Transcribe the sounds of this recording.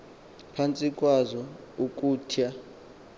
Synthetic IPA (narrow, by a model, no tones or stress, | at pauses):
pʰant͡sʼikʼwazɔ | ukʼuːtʰija